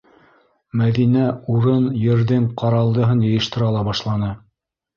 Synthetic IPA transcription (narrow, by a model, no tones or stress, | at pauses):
mæðinæuɾɤnjɘ̆ɾðɘŋqɑɾɑlˠd̪ɤ̆ɦɤnjɤ̆jɤ̆ʃt̪ɤ̆ɾɑlˠɑbɑʃlˠɑnɤ